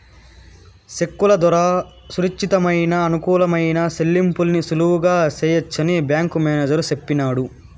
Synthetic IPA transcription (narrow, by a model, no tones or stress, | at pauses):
se̞kːulɐd̪ɐɾaː | suɾit͡ʃːit̪ɐmɐjnɐːnukuːlɐmɐjnɐselːimpulnisuluwuɡaːt͡ʃeːjɐt͡ʃːɐnibjaːŋkumeːneːd͡ʒɐɾusepːinaːɽu